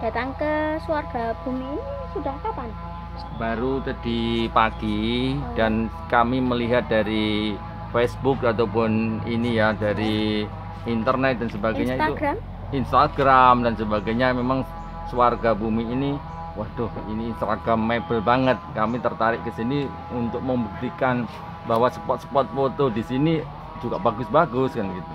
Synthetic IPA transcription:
d̥a̤t̪aŋkəsuarɡ̥ab̥umiːnisudahkapan | baɾut̪ad̥ipaɡ̥id̥an | kamiməliɦat̪̚daɾi | fesbʊkat̪awpʊninijadaɾi | int̪ərnɛt̪̚d̥ansəbaɡajɲaiauɡɾam | inst̪aɡɾamdansəbaɡajɲamemaŋ | suwarɡabumiːni | wahd̥ʊhiniːnst̪ɾaɡɾamːebəlbaŋət̪̚kamit̪ərt̪aɾɪʔkəsini | unt̪ʊk̚məmbuk̚t̪ikan | baɦwasəpɔt̪̚sə̥pɔt̪̚fod̪odisini | d͡ʒuɡabaɡʊsbaɡʊskanɡit̪u

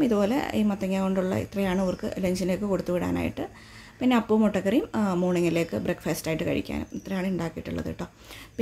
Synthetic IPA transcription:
iðupo̞ːlḛiːmɐt̪ːɐŋːaːɣoɳɖuɭːɐ̰ḭt̪rɐjaːɳɨɐʋɐrkɨ̰le̞ɲd͡ʑinlekːɨko̞ɽut̪ːuʋiɽa̰ːna̰ːjḭʈːɨ | pinːe̞ɐpːoʋmoʈːɐkːɐrijummuːɳɐŋːɐile̞ːkːɨbrekːfɐːstaːjiʈːɨkɐ̰ɻḭkʲːa̰ːnṵmit̪rɐjaːɳɨuɳɖaːkːijiʈːuɭːɐ̰ðḭʈːoː | pi

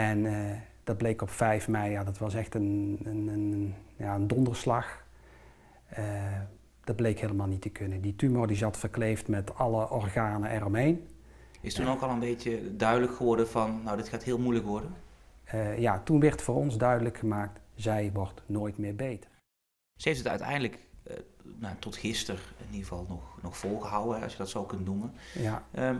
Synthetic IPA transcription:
ɛn | d̥ɑd̚blejkɔpfɛjfmɛjjaːdɑtʋɑsɛxtənənnjaəndɔndəɹslɑx | ə | d̥ɑd̚blejkɦeːləmaːlˠnitəkʰɵnənditymoɹdizɑtfərklejftmɛtɑləʔɔrɣaːnəʔɛrɔmɦejn | ɪstunowkɑlˠənbejtədœɥdələkxəʋɔɹdənvɑnnowdɪtxaːtɦɪːlˠmujləkʋɔɹdən | jaːtunʋɛɹtfʊːrɔnzdœɥdələkxəmaːk̚tzɛjʋɔɹtnoːjtmɪːɹbejtə̥r | səejftətœ̰ɥtɛ̰jndələk | naatɔtxɪstərɪniɣəvɑlˠnɔxnɔxfɔlˠɣəɦɑwəɦɛɑ̰sjədɑtsowkɵntnumənjaə

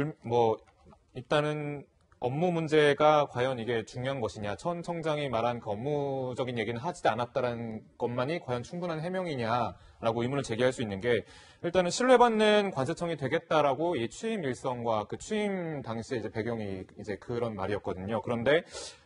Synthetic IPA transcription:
umwʌ | iɭt͈anɯn | ʌmːumund͡ʑe̞ɡakwajʌniɡe̞t͡ɕuŋjoɦanɡʌɕʰiɲat͡ɕʰʌnt͡ɕʰʌŋd͡ʑaŋimaɾɦankɯʌmːud͡ʑʌɡinje̞ɡinɯɭɦad͡ʑidanat̚t͈aɾaɯnɡ̥ʌnmaɲikwajʌnt͡ɕʰuŋbunɦanɦe̞mjʌŋiɲa | ɾaɡoimunɯɭt͡ɕe̞ɡiɦaɭs͈uinːɯnɡe̞ | iɭt͈anɯnɕʰiɭːe̞banːɯnkwansʰet͡ɕʰʌŋitwe̞ɡe̞t̚t͈aɾaɡoit͡ɕʰuimiɭs͈ʌŋɡwakɯt͡ɕʰiimtaŋɕʰieid͡ʑe̞pe̞ɡjʌŋiːd͡ʑe̞kɯɾʌnmaɾiʌt̚k͈ʌdɯɲokɯɾʌnde̞

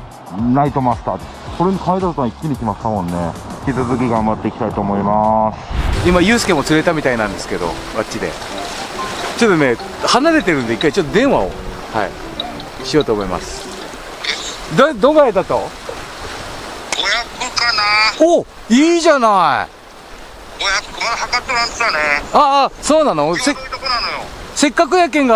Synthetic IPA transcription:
nait̪o̞mast̪aː | so̞ɾeɲ̟ikʰait̪ast̪aikʲːiɲikʲimaɕi̥t̪amõ̞nːe̞kʲit͡sɨzɨk̬ʲiɡãmbat̪ːe̞ikʲi̥t̪ait̪oːmo̞imasɨ̥imajɯ̟ːsɨ̥ke̞mːo̞t͡sɨɾe̞t̪amʲit̪ainãnd̪e̞sɨ̥ke̞d̪o̞̰ | ɡat͡ɕt͡ɕːid̪e̞̰ | t͡ɕo̞t̪ːone̞ | hanaɾe̞t̪̬eɾɯ̟nod̪e̞ikːait͡ɕo̞t̪ːod̪ẽ̞ɰ̃βao̞̰ | ha̰ḭ | ɕijo̞ːt̪oːmo̞ima̰sɨ̥ | d̪ad̪oɡajet̪at̪o̞ | ojakɯkanao | iːʑanaḭ | ojaahakat̪ːemast̪aneaːso̞ːnanoset̪okonanojose̞kːak̬ɯ̟jak̬ẽ̞ŋɡa

